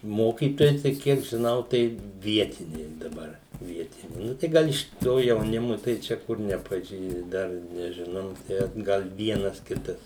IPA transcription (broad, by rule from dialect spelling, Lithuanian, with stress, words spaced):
ˈmoːkʲiːtoːjɛɪ tɐɪ ˈkʲiɛk ʒʲɪˈnɐʊ tɐɪ ˈʋʲiɛtʲɪnʲɛɪ dɐˈbɐr ˈʋʲiɛtʲɪnʲɛɪ ˈnʊ tɐɪ ˈɡɐlˠ ɪʃ ˈtoː jɛʊˈnʲɪmʊ tɐɪ ˈt͡ʃʲɛ ˈkʊr nʲɛpɐˈʒʲiː ˈdɐr nʲɛʒʲɪˈnɐʊ ˈtʲæː ˈɡɐlˠ ˈʋʲiɛnɐs ˈkʲɪtɐs